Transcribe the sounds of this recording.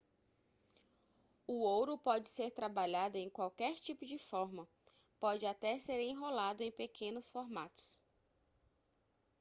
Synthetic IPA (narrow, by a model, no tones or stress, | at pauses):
uowɾʊpɔd͡ʒɪseɾt̪ɾabaʎad̪ʊẽj̃kwawkɛɾt͡ʃipʊd͡ʒɪfɔɾmɐ | pɔd͡ʒɪat̪ɛseɾẽj̃ɦolad̪ʊẽj̃pekʰẽnʊsfoɾmat̪ʊ̥s